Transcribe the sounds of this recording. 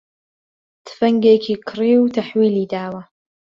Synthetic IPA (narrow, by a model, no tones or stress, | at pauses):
t̪ʰfɐŋɡeːkʰiːkʰɨɾiːwt̪ʰaħwiːliːd̪aːwɐ